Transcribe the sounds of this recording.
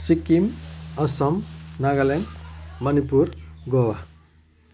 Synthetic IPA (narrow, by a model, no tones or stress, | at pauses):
sikimʌsʌmnaɡʌlenmʌnipuɾɡowa